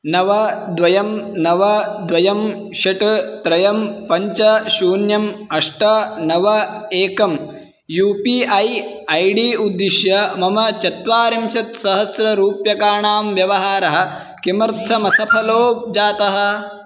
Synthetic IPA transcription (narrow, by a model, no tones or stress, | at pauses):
nɐʋɐd̪ʋɐjɐmnɐʋɐd̪ʋɐjɐm | ʃɐʈɐt̪ɾɐjɐmpɐɲt͡ʃɐʃuːnjɐmɐʂʈɐnɐʋɐeːkɐm | juːpiːɐj | ɐjɖiːud̪ːiʃjɐmɐmɐt͡ʃɐt̪ʋaːɾimʃɐt̪sɐɦɐsɾɐɾuːpjɐkaːɳaːmʋjɐʋɐɦaːɾɐɦɐ̆ | kimɐɾt̪ʰɐmɐsɐpʰɐloːb̚d͡ʒaːt̪ɐɦɐ̆